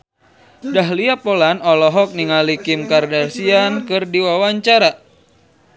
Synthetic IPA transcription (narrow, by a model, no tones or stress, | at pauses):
daɦliapolanɔlɔɦɔk̚niŋalikɪmkardasiankɨrdiwawaɲt͡ʃaɾa